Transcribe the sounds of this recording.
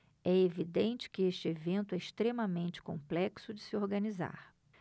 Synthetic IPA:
ɛevid̪ẽnt͡ʃɪ̥kɪeʃt͡ʃɪevẽnt̪ʊɛɪʃt̪ɾemɐmẽnt͡ʃɪ̥kõ̰mplɛksʊd͡ʒɪsɪoɾɡɐniza̰ɾ

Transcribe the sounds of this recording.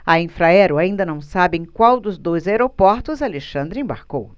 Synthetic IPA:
ɐĩfɾaɛɾʊaĩnd̪ɐnɐ̃w̃sabɪẽj̃kwawd̪ʊzd̪ojzaeɾopɔɾt̪ʊzaleʃɐ̃nd̪ɾɪẽbaɾkow

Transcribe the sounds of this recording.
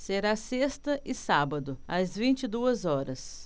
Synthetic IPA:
seɾasest̪ɐʔɪsabɐd̪ʊɐzvĩnt͡ʃɪd̪uɐzɔɾɐs

